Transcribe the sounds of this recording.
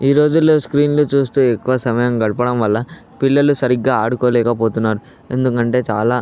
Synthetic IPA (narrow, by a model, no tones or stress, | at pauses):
iːɾo̞ːd͡ʒulːo̞ːskɾiːnloːt͡ʃuːst̪uːekːuʋɐsɐmɐjɐŋɡɐɽupɐɽɐmʋɐlːɐ | pilːɐlusɐɾiɡːaːaːɽukoːlɛːkɐpo̞ːt̪unːaːɾu | e̞nd̪ukɐɳʈe̞ːt͡ʃaːlaː